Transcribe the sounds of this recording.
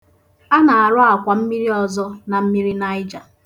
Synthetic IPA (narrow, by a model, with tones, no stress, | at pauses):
a˦na˨a˨ɾʊ˦a˨kʷa˨m̩˦mi˦ɾi˦ɔ˨zɔ˦na˨m̩˦mi˦ɾi˦na˦ɪ˦d͡ʒa˨